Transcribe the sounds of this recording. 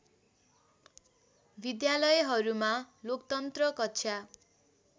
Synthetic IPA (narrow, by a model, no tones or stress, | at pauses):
bid̪jalʌjɦʌɾuma | lokt̪ʌnt̪rʌkʌtːsʰa